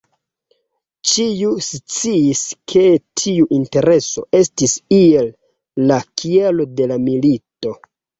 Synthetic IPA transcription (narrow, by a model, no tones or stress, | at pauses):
t͡ʃiust͡siiskʰe̞tʰiuʔinte̞ɾe̞so̞e̞stisie̞lː | akʰielo̞de̞lamilito̞